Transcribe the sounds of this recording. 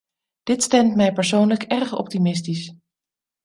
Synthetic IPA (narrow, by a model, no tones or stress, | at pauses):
d̥ɪtstɛmtmɛjpɛɹsownləkɛɹχɔ̰p̚timɪstis